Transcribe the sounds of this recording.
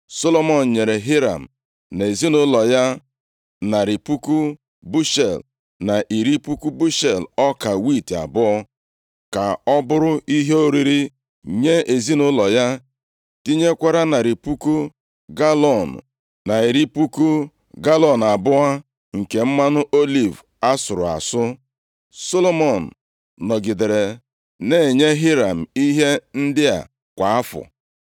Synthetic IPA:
so˦lo˦mɔ˨n̩˨ɲe˨ɾe˨ɦɪ˦ɾa̰˨m̩˨ | ne˨zi˦nʊ˦lɔ˨ja˦ | na˨ɾi˨pu˦ku˦ | bu˦ʃe˨l | na˨ʔi˨ɾi˦pu˦ku˦bu˦ʃe˨lɔ˦ka˨wi˦˨ta̰˨bʊ˦ɔ˦ | ka˨ɔ˦bʊ˦ɾʊ˦i˦ɦe˦o˦ɾi˨ɾi˦ | ɲe˦e˨zi˦nʊ˦lɔ˨ja˦ | ti˦ɲe˦kʷa˦ɾa˦na˨ɾi˨pu˦ku˦ | ɡa˦lɔ˨n˨ | na˨i˨ɾi˦pu˦ku˦ | ɡa˦lɔ˨n˨a˨bʊ˦a˦ | ŋ̩˨ke˨m̩˦ma˦nʊ˦ʔo˦li˦˨v | a˦sʊ˨ɾʊ˨a̰˨sʊ˦ | so˦lo˦mɔ˨n̩˨ | nɔ˨ɡɪ˨de˨ɾe˨ | ne˦˨ɲe˦ɦi˦ɾa˨m̩˨i˦ɦe˦n̩˦dɪ˦a̰˨ | kʷa˨a˦fʊ̰˨

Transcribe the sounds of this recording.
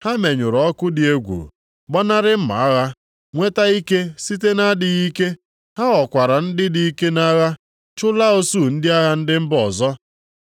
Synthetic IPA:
ha˦me˨ɲʊ˨ɾɔ˦kʊ˦dɪ˨e˦ɡʷṵ˨ | ɡ͡bɔ˦na˦ɾɪ˦m̩˦ma̰˨a˦ɣa˦ | ŋʷe˦ta˦i˦ke˦si˦te˦na˦dɪ˨ɣi˦ke˦ | ha˦ɣɔ˨kʷa˨ɾa˨n̩˦dɪ˦di˦i˦ke˦na˦ɣa˦ | t͡ʃʊ˦la˦o˦su˦˨n̩˦dɪ˦a˦ɣa˦n̩˦dɪ˦m̩˦bɔ˨zɔ˦

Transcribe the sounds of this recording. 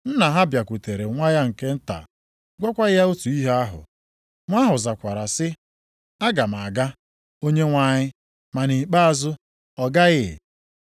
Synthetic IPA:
n̩˦na˨ɦa˦bja˨kʷu˨te˨ɾe˨ŋʷa˦ja˦ŋ̩˨ke˦n̩˦ta̰˨ | ɡʷɔ˦kʷa˦ja˦o˦tu˨i˦ɦe˦a˦ɦʊ̰˨ | ŋʷa˦ɦʊ˨za˨kʷa˨ɾa˨sɪ˦ | a˦ɡa˨m˨a˨ɡa˦ | o˦ɲe˦ŋʷa˨ɲɪ˦ | ma˨ni˨k͡pa˦a˨zʊ˦ | ɔ˨ɡa˦ɣɪ̰˦˨

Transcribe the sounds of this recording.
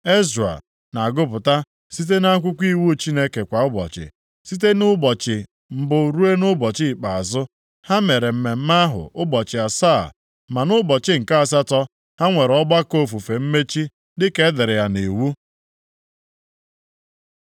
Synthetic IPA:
e˦za̰˨ | na˨a˨ɡʊ˦pʊ˨ta˦ | si˦t̬e˦na˦a˦kʷʊ˦kʷi˦wu˦t͡ʃi˦ne˦ke˨kʷa˨ʊ˦bɔ̰˨t͡ʃɪ̰˨ | si˦t̬e˦nʊ˦bɔ˨t͡ʃɪ˨ | m̩˨bʊ˨ɾu˦e˦nʊ˦bɔ˨t͡ʃɪ˦˨k͡pa˨a˨zʊ˦ | ha˦me˨ɾe˨m̩˨me˨m̩˦ma˦ɦʊ̰˨ʔʊ˦bɔ˨t͡ʃɪ˨a˨sa̰˦˨ | ma˨nʊ˦bɔ˨t͡ʃɪ˦ŋ̩˨ka˦a˨s̬a˦tɔ˦ | ha˦ŋʷe˨ɾɔ˦ɡ͡ba˦ko˦fu˨fe˨m̩˦me˦t͡ʃi˦ | dɪ˦ke˦dɪ˨ɾɪ˨ja˨ne˨wu˦

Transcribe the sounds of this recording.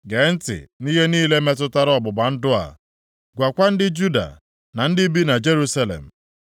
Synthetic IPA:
ɡe˨n̩˦tɪ̰˨ni˦ɦe˦niː˦le˦me˦t̬ʊ˦ta˦ɾɔ˦˨bʊ˨ba˨n̩˦dʊ˦a̰˨ | ɡʷa˨kʷa˦n̩˦dɪ˦d͡ʒu˦da̰˨ | na˨n̩˦dɪ˦bi˦na˨d͡ʒe˦ɾu˦sa˦lḛ˨m̩˨

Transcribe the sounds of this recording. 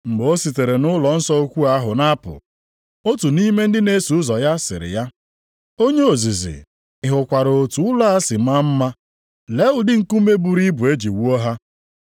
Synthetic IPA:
ŋ͡m̩˨ɡ͡bo˦si˨te˨ɾe˨nʊ˦lɔ˨n̩˦sɔ˦o˦kʷu˦a˦ɦʊ˨na˦pʊ̰˨ | o˦tu˨ni˦me˦n̩˦dɪ˦ne˦su˨ʊ˦zɔ˨ja˦sɪ̰˨ɾɪ̰˨ja˦ | o˦ɲe˦o˨zi˨zɪ̰˨ | ɪ˨ɦʊ˨kʷa˨ɾo˨tu˦ʊ˦la˦a˦sɪ˨m̩˦a˦m̩˦ma˦ | le˦ʊ˨dɪ˦ŋ̩˦˨ku˦me˦bu˨ɾi˦bu˨e˦d͡ʒi˨wu˦ɔ˦ɦa˦

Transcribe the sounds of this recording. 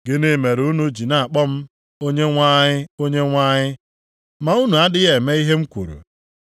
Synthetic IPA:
ɡɪ˦ne˦˨me˨ɾu˦nu˦d͡ʒi˨na˨a˨k͡pɔ˦m̩˦ | o˦ɲe˦ŋʷa˦ɲɪ˦o˦ɲe˦ŋʷa˦ɲɪ˦ | ma˨u˦nu˨a˦dɪ˦ɣe˨me˦i˦ɦe˦m̩˦kʷṵ˨ɾṵ˨

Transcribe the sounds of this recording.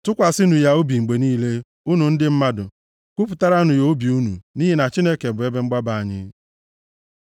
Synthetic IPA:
tʊ˦kʷa˨sɪ˦nu˨ja˦o˦bi˨ŋ͡m̩˨ɡ͡be˨niː˦le˦ | u˦nu˨n̩˦dɪ˦m̩˦ma˦dʊ̰˨ | kʷu˦pʊ˨ta˦ɾa˦nʊ˨jo˦bi˨u˦nṵ˨ni˦ɦe˨na˨t͡ʃi˦ne˦ke˨bʊ˨e˦be˦ŋ͡m̩˦ɡ͡ba˦ba˨a˨ɲɪ̰˦

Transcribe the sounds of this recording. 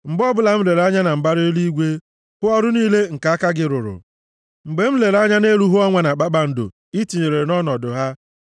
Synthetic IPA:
ŋ͡m̩˨ɡ͡bɔ˦bʊ˦la˨m̩˦le˨ɾa˦ɲa˦na˨m̩˨ba˦ɾɪ˦o˦li˦i˦ɡʷe˦ | pʊ˦ɔ˦ɾʊ˦niː˦le˦ŋ̩˨ka˨a˦ka˦ɡɪ˨ɾʊ˨ɾʊ̰˨ | ŋ͡m̩˨ɡ͡be˨m̩˦le˨ɾa˦ɲa˦ne˦ɾu˦ɦʊ˦ɔ˦ŋʷa˨na˨k͡pa˦k͡pa˨n̩˨dʊ̰˨ | i˦ti˨ɲe˨ɾe˨e˨nɔ˦nɔ˨dʊ˨ɦa˦

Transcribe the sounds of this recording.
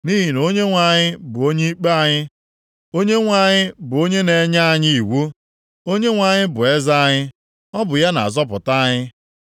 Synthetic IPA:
niː˦ɦi˨n˨o˦ɲe˦ŋʷa˨ɲɪ˦bʊ˨o˦ɲe˦i˦k͡pe˦a˦ɲɪ˦ | o˦ɲe˦ŋʷa˨ɲɪ˦bʊ˨o˦ɲe˦ne˨˦ɲa˦a˨ɲɪ˦i˨wu˦ | o˦ɲe˦ŋʷa˨ɲɪ˦bʊ˨e˦za˦a˦ɲɪ˦ | ɔ˦bʊ˨ja˦na̰˨a˨zɔ˦p̬ʊ˨ta˦ɲɪ˦

